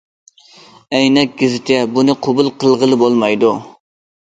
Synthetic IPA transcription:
ɛjnɛk̚ʲɡʲɪzɪt̪ʰɛbunɨqʰobulˠqʰəlˠʁəlˠɨbolˠmɑjd̪u

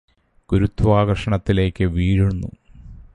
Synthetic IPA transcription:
ɡ̥uɾut̪ːʋaːɡɐrʂɐɳɐt̪ːile̞ːkːɨʋiːɻunːṵ

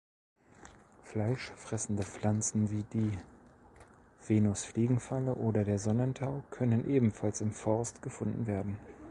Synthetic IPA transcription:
flaɪʃfʁ̥ɛsn̩dəp͡fl̥ant͡sn̩viːdiː | v̥eːnʊsfliːɡŋ̩faləʔoːdɐdeːɐzɔnəntʰaʊkʰœnənʔeːbm̩falsɪmfɔɐstɡ̥əfʊndn̩veːɐdn̩

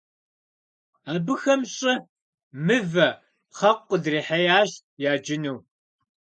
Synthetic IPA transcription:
aːbɨxɐmɕʼɐ | mɨvɐ | χɐqʷʼːədreːħɐjaːɕ | jaːd͡ʒɪnuw

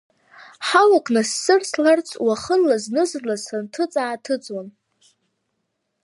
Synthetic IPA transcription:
ħalakʼnasːɨrslart͡sʰʼwaχənːaznɨzrlazantʰɨt͡sʼaːtʰɨt͡sʼwan

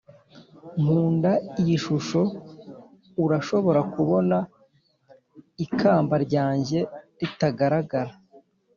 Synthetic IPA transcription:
m̥uːndaijiʃuʃo̞ | uɾaʃo̞βo̞ɾakuβo̞na | ikʰaːmbaɾɟaːɲɟe̞ɾitaɡaɾaɡaɾa

